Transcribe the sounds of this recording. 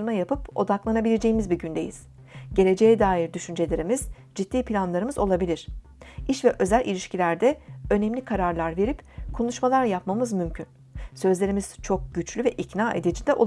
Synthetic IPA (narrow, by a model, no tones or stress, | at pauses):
ɾɯnajapɯpo̞d̪aklˠanabilʲe̞d͡ʒe̞jimizbiɟynd̪e̞jiz̥ | ɟe̞lʲed͡ʒe̞jɛd̪aːjiɾd̪yʃynd͡ʒe̞lʲe̞ɾimiz | d͡ʒit̪ːiːpʰlʲanlˠaɾɯmɯzo̞lˠabilʲiɾ̥ | iʃvɛʔø̞zælʲʔilʲiʃcʰilʲæɾd̪ɛø̞nɛmlʲikʰaɾaɾlˠaɾve̞ɾipkʰolˠuʃmalˠaɾjapmamɯzmymcʰyn | sø̞zlʲe̞ɾimiz̥t͡ʃʰo̞k̚ɟ̥yt͡ʃlʲyvɛʔicnaːʔe̞̰d̪ed͡ʒid̪ɛʔo̰